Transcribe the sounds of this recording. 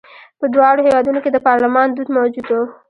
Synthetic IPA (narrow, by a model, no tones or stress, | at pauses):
pəd̪wɑɽohewɑd̪unoked̪əpɑɾləmɑnd̪ud̪mawd͡ʒud̪o